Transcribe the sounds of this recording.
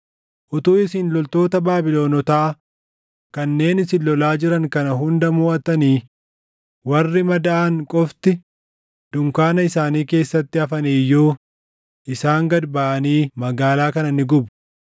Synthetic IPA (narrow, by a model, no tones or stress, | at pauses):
ʔʊt̪uːɪsɪnlɔlt̪o̞ːt̪ɐbaːbɪlo̞ːnɔt̪aː | kɐnːe̞ːnɪsɪllːɔlaːd͡ʒɪɾɐŋkɐnɐɦʊnd̪ɐmuːɐt̪ɐniː | wɐrːɪmɐd̪ɐʔɐŋkʼɔft̪ɪ | d̪̥ʊŋkaːnɐɪsaːniːke̞ːsːɐt̪ːɪɐfɐniːjːoː | ʔɪsaːŋɡɐd̪baʔɐniːmɐɡaːlaːkɐnɐnːɪɡʊbʊ̥